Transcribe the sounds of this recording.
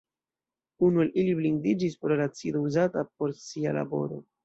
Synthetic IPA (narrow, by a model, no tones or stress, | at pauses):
unualʔilibliŋdid͡ʒispɾo̞ɾat͡sido̞uzatap̚o̞ɾsiala̰bo̞̰ɾo̞̰